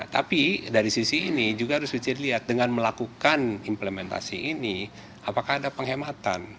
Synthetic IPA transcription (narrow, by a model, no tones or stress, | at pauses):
t̪a̰pidaɾisisiːnid͡ʒuɡahaɾʊsbit͡ʃərliat̪̚dəŋanməlakukanimplemɛnt̪a̰siʔini | apakahːdapəŋɦemat̪a̰n